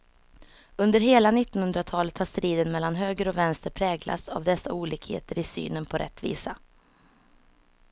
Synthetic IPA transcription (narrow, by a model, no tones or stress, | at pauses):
ɵnd̪əɾɦeːlanɪt̪ːɔnhɵnd̪ɾat̪ʰɑːlət̪haʂt̪ɾiːd̪ənmɛlːanɦøːɡəɾɔvɛnst̪əɾpʰɾɛːɡla̰t̪sa̰vd̪ɛsːa̰uːliːkhḛːt̪əɾɪsy̰ːnənpʰɔɾʔɛ̰t̪ːvḭːsa